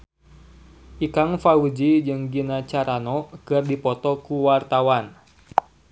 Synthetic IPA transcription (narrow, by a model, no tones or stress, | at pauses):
ʔikaŋfaud͡ʒid͡ʒɨŋɡinat͡ʃaɾanɔkɨrdipɔt̪ɔkuwart̪awan